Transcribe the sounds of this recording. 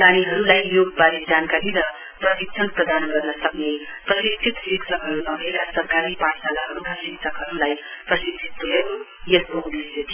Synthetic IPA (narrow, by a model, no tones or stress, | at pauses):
aniɦʌɾulajːoɡ̚baɾid͡ʒankaɾiɾʌ | pɾʌt̪ik̚sʰʌnpɾʌd̪ʱanɡʌɾnʌsʌk̚ne | pɾʌsist̪ʰit̪siksʰʌkɦʌɾunʌbʱekasʌɾkaɾipaʈsalaɦʌɾukasik̚sʰʌkɦʌɾulajpɾʌsist̪ʰit̪ːuɦe | jesboŋbisjed̪i